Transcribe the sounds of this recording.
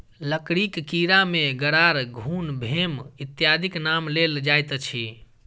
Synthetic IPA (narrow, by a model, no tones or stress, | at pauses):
ləkɽikːiɾameɡəɾaɾɡʱunbʱemit̪jad̪ʱiknamleld͡ʒajt̪t͡ʃʰi